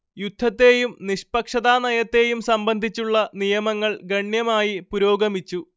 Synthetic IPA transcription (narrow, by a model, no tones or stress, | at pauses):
jud̪ʱːɐt̪ːe̞ːjumniʂpɐkʂɐðaːnɐjɐt̪ːe̞ːjumsɐmbɐnd̪ʱit͡ɕːuɭːɐnijɐmɐŋːɐɭɡɐɳjɐmaːjipuɾo̞ːɡɐmit͡ɕːu